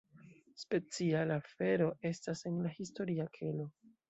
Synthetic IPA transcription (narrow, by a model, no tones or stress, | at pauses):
spe̞t͡sialafe̞ɾo̞ʔe̞stase̞nlahisto̞ɾiakʰe̞lo̞